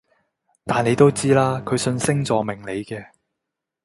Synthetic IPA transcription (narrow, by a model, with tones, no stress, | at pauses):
t̪aː˨ne˨˧jt̪o˥wt͡siː˥laː˥kʰɵ˨˧sɵ˧nsɪ˥ŋt͡sɔː˨mɪ˨˩ŋle˨˧jkɛː˧